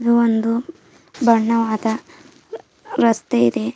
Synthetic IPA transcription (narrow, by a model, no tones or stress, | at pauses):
d̪uond̪u | bɐɳːɐʋaːd̪ɐ | ɾɐst̪eid̪e̞